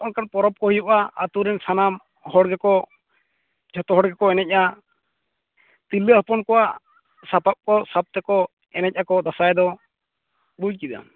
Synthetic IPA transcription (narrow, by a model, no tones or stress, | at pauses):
ʔɔnkanpɔɾɔp̚kɔhujɔʔaat̪uɾɛnsanam | hɔɽɡɛkɔ | d͡ʒʰɔt̪ɔɦɔɽɡɛkɔɛnɛc̚ˀa | t̪iləɦəpɔnkɔwaʔ | sapap̚kɔsap̚t̪ɛkɔ | ɛnɛc̚ˀʔakɔd̪asajd̪ɔ | buckid̪a̰